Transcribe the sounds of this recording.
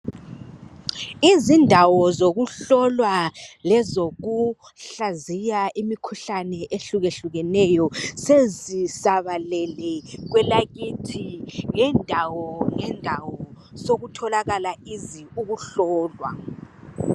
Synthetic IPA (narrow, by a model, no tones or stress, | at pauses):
izindʱawɔzoɣuɬɔlwalɛzoɣu | ɬazijaʔimikʰuɬanɛʔeɬuɣeɬuɣɛnɛjɔsezisaβalɛlɛɣ̬wɛlaɣitʰiŋɛndʱawɔŋɛndʱawɔ | soɣutʰɔlaɣalaiziuɣuɬɔːlwa̰